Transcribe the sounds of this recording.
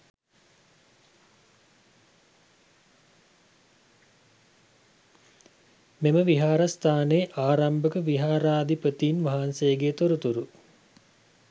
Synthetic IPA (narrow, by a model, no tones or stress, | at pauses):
meməʋiɦaːɾɐst̪ʰaːneʔaːɾambəkəʋiɦaːɾaːd̪ʱipət̪iːnʋaɦansejːɡet̪oɾut̪uɾu